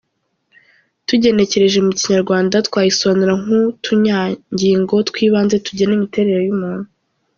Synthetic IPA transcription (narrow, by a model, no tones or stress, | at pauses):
tuɟe̞ne̞ce̞ɾe̞ʒeumuciɲaɾɡwaːndatkwaːjisoβanuɾaŋutʰuɲaɲɟiːŋɡo̞twiːβaːnze̞tuɟenimite̞ːɾe̞ɾe̞jumuːn̥u